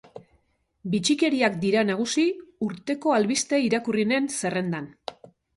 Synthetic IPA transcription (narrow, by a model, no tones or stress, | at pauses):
bit͡ʃike̞ɾiakd̪iɾanaɣ̞usiuɾt̪e̞ko̞alβist̪eiɾakurine̞nse̞re̞nd̪an